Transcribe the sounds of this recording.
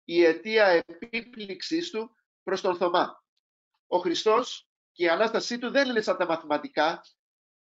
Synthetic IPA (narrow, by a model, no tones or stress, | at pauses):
ie̞t̪iɐe̞pipliksist̪u | pɾo̞st̪o̞nθo̞mɐ | o̞xɾist̪o̞s | ceiɐnɐst̪ɐsit̪uðe̞nlesɐnt̪ɐmɐθimɐt̪ikɐ